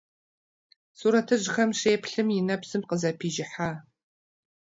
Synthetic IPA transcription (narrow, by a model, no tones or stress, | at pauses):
suːɾɐtʰɨʒxɐmʃeːpɬɨmjɪnɐpsɨmqəzɐpʰiːʒɪħaː